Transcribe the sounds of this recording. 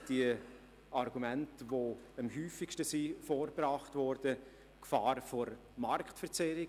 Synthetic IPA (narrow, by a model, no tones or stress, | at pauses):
d̥i | ɑɾɡ̥umɛntvo | əmɦyːfɪkʃtəsifoːɾbrɑːχtvɔɾd̥ə | kfɑːɾfoɾ | mɑɾkχtfəɾt͡sɛɾɪ